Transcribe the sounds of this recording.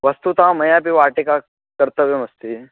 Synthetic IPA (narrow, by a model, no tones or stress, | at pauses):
ʋɐst̪ut̪ãmɐjãp̬iʋaːʈeka | kɐɾt̪əbemɐst̪i